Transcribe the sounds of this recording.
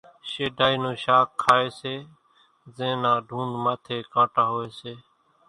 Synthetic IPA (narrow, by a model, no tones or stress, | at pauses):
ʃeːɖʱaːiːnõːʃaːkʰːaːeːseː | zẽːnãːɖʱũːɳɖmaːt̪ʰeːkãːʈaːɦoːeːseː